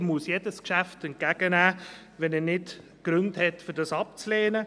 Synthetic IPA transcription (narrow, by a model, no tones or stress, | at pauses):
musjɛdəskʃæftɛn̚kæɡ̥ənæː | ʋɛnɛnɪt | ɡ̥ɾʏnthɛtfɪɾdɑsɑp̚t͡sleːnə